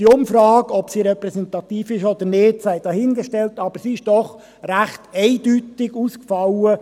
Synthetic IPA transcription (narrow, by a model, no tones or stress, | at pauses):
d̥iʊmfɾɑːɡɔbsiːɾɛpɾɛsɛnt̪ɑt̪iːfɪʃɔd̥̪əɾnɪːd̥sæɪd̥ɑːhɪnɡəʃtɛltɑb̥əsiɪʃd̥ɔχ | ræχtɛɪd̥ytɪɡuːskfɑlə